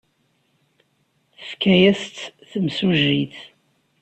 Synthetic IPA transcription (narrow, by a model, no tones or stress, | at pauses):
θə̥fkːæjæst̪θəmsuʒiθ